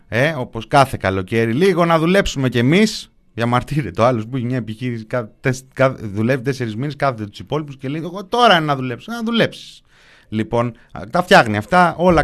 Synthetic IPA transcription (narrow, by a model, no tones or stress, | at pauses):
e̞o̞po̞skɐθe̞kɐlo̞ce̞ɾiliɣo̞nɐðule̞psume̞cemis | ʝɐmɐɾt̪iɾet̪eoɐlospuiçemɲɐepiçiɾisi̥kɐt̪eskɐðulevit̪e̞se̞ɾizmineskɐθet̪et̪u̥sipo̞lipuscelejeɣot̪o̞ɾɐennɐðule̞psonɐðule̞psi̥s | lipo̞n | t̪ɐfçɐɣniɐft̪ɐo̞lɐ